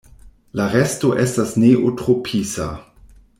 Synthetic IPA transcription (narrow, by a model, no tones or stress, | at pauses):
laʁɛstoʔestasneʔotʁopʰisa̰